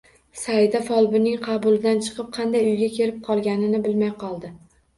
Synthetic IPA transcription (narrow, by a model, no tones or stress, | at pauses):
saɪd̪afɒlˠbɪnɪŋqʰɑbʊlˠɪd̪ant͡ʃʰɨ̥qʰɨp̚qʰɑnd̪ajʊjɡʲakʲʰe̞ɾɪp̚qʰɒlˠɡʲanɪnɪbɪlmajqʰɒlˠd̪ɪ